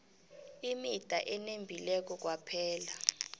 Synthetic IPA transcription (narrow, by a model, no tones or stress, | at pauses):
imid̥ʱa̰ʔɛnembʱilɛk̬ʼɔk̬ʼwapʰɛːla